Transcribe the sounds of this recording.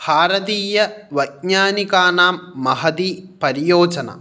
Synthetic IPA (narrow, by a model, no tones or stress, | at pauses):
haːɾɐd̪iːjɐʋɐjkɲaːnikaːnaːmːɐɦɐd̪iːpɐɾijoːd͡ʒɐnɐ̰